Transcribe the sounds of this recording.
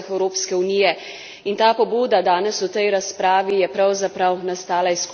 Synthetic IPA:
xɛwɾoːpskɛunijɛ | int̪aːpɔbuːd̪ad̪aːnɛsut̪ɛjɾaspɾaːʋijɛpɾawzapɾawnast̪aːlaisku

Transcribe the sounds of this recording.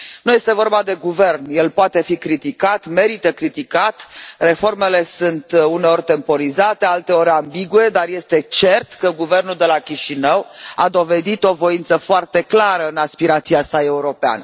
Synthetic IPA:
nuje̞st̪e̞vo̞rbad̪e̞ɡuve̞rnje̞lpoat̪e̞fikɾit̪ikat̪me̞ɾit̪əkɾit̪ikat̪re̞fo̞rme̞le̞sunt̪une̞o̞rʲt̪e̞mpo̞ɾizat̪e̞alt̪e̞o̞ɾʲambiɡue̞d̪arje̞st̪e̞t͡ʃe̞rt̪kəɡuve̞rnuld̪e̞lakʲiʃinəwad̪o̞ve̞d̪it̪o̞vo̞int̪səfoart̪e̞klaɾəɨnaspiɾat̪siasae̞uɾo̞pea̰nə

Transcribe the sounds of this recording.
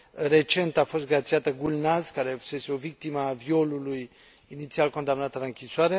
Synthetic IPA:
ɾe̞t͡ʃe̞nt̪afo̞st̪̚ɡɾat̪siat̪əɡulnazkaɾe̞vuse̞seo̞vik̚t̪iməavio̞luluj | init̪sialko̞nd̪amnat̪ələŋkʲiswaɾe

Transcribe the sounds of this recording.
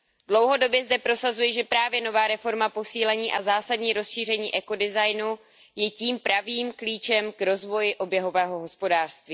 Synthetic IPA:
dlo̞wɦo̞do̞bjɛzdɛpɾo̞sazujɛʒɛpɾaːvjɛno̞vaːɾɛfo̞ɾmapo̞siːlɛɲiːʔazaːsadɲiːɾo̞sʃiːr̝ɛɲiːʔɛko̞dɪzajnu | jɛciːmpɾaviːmkliːt͡ʃɛmkɾo̞zvo̞jɪʔo̞bjɛɦo̞vɛːɦo̞ɦo̞spo̞daːr̥st̪viː

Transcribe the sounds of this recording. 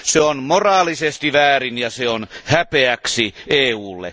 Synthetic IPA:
seonmorɑːlisest̪iʋæːrinjɑseonhæpeæksiʔeːuːlːḛ

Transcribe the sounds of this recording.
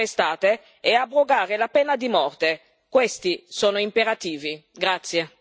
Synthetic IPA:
est̪aːt̪e | ɛabːɾoɡaːɾelapɛnːad̪imɔrt̪e | kwest̪isoːnoimpeɾat̪iːviɡɾat̪sːje

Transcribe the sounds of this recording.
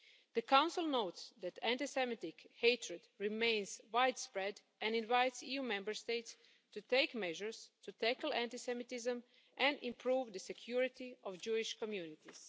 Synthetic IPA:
ð̥əkãw̃nsɪlˠnoʊtsd̪æt̪ʰæ̃ntisɛmɪt̪ɪkheɪtʰɹɛdɹɪmẽɪ̃nzwaɪdspɹɛd | ɛ̃nɪ̃nvaɪtsijumɛ̃mbəɹsteɪts | tut̪eɪkmɛʒəɹstʰut̪ækl̩ˠæ̃ntɪsɛmɪt̪ɪzə̃m | ʔɛ̃nɪ̃mpʰɹuːvd̪əsɛkʰjuɹɪt̪iɔvd͡ʒuɪʃkɔmjunɪt̪iz̥

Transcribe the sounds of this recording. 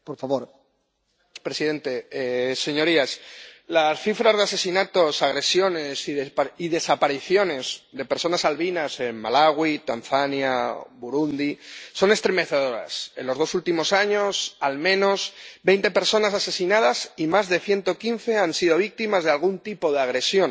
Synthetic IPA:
poɾfaβoɾ | pɾe̞siðẽ̞nt̪e̞ese̞ɲo̞ɾiaslasθifɾazðe̞ase̞sinat̪o̞saɣ̞ɾe̞sjo̞ne̞siðeiðe̞sapaɾiθjo̞ne̞zðe̞peɾso̞nasalβinase̞mmalaɣwit̪anθanja̰buɾund̪iso̞ne̞st̪ɾe̞me̞θe̞ð̞o̞ɾa̰se̞nlo̞zð̞o̞sult̪imo̞saɲo̞salmẽ̞no̞sbe̞jnt̪e̞pe̞ɾso̞nasase̞sinað̞asimazðe̞θje̞nt̪o̞kin̟θe̞ansið̞o̞β̞ik̚t̪imazðe̞alɣ̞unt̪ipo̞ðeaɣ̞ɾe̞sjo̞n

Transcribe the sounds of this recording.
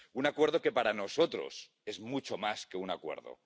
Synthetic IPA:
unakwe̞ɾð̞o̞ke̞paɾano̞so̞t̪ɾo̞̰s | e̞zmut͡ʃo̞maskeunakwe̞̰ɾðo̰

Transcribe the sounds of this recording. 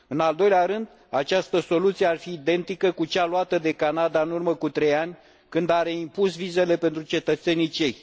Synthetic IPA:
ɨnald̪o̞jleaɾɨnd̪ | at͡ʃast̪əso̞lut̪sije̞arfiːd̪e̞nt̪ikəkut͡ʃaluat̪əd̪e̞kanad̪aɨnurməkut̪ɾe̞janʲ | kɨnd̪aɾe̞impusvize̞le̞pe̞nt̪ɾut͡ʃe̞t̪ət̪se̞nit͡ʃe̞j

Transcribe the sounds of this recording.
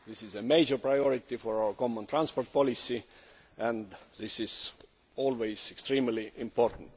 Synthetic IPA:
ðɪsizəmejd͡ʒəɹpɹajoɹit̪ːifoɹaʊəɹkomːə̃nt̪ɹãnspoɹt̪̚pʰolisi | ʔæ̃nd̪ðɪsiz̥ | oːlwejz̥ekst̪ɹĩːmliʔĩmpoɹt̪n̩t̪

